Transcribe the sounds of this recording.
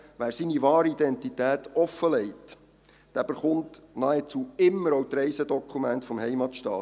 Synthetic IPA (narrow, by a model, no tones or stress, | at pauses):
ʋæːɾsiniʋɑːɾəidɛntitæːtɔfəlɛɪt | d̥æːb̥əɾχʊntnɑɛt͡suːɪmːəɾowt̪ɾɛjsədɔkʰχumæntfɔmhɛjmɑt̪ʃtɑ̰ː